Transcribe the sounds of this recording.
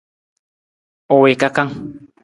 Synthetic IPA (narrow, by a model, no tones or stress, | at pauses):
owekakaŋ